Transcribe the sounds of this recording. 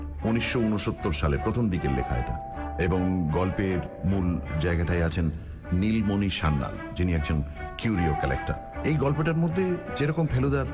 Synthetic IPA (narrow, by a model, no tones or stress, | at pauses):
uniʃːounoʃot̪ːoɾʃaleɾpɾot̪ʰomd̪ikeɾlḛkʰa̰ḛʈa̰ | eboŋɡɔlpeɾmuld͡ʑaeɡaʈaeat͡ɕʰenː | ilmoniʃanːa̰l | d͡ʑiniɛɡ̚d͡ʑon | kjuɾiokɛlḛk̚ʈa̰ | ejɡɔlpeʈaɾmod̪ʱːed͡ʑeɾɔkompʰelod̪aɾ